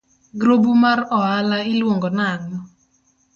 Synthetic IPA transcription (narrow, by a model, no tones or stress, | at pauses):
ɡɾobumaɾɔalaɪlwoŋɡɔnaŋɔ